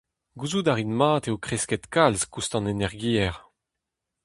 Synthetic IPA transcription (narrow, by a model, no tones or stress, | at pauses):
ɡuzudaʁinmaːt̪eokχeskɛt̪kalzkust̪ɑ̃nenɛʁɡiːɛʁ